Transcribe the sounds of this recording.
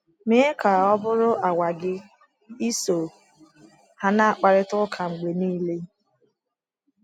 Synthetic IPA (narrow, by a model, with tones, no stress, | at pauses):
me˦e˦ka˨ɔ˦bʊ˦ɾʊ˦ʔa˨wʷa˨ɡɪ˦ | i˦so˨ | ha˨na˦a˨k͡pa˨ɾɪ˦tʊ˦kʰa˨ŋ͡m̩˨ɡ͡be˨niː˦le˦